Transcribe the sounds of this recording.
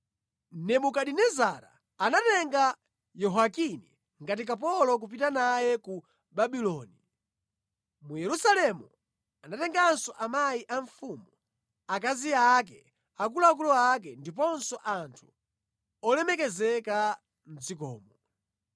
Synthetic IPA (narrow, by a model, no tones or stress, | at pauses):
nɛmukaɗinɛzaɾa̰ː | natɛŋɡa | jɔɦakinḭ | ŋɡat̬ikap̬ɔlɔk̬up̬itanajɛku | baɓilɔni | mujɛɾusalɛmu | anatɛŋɡansɔʔamajiʔaɱfumu | ak̬aziakɛ | akulakulɔak̬ɛndip̬ɔnsɔʔantʰu̥ | ɔlɛmɛkɛzɛka | n̩zikɔ̰ːmɔ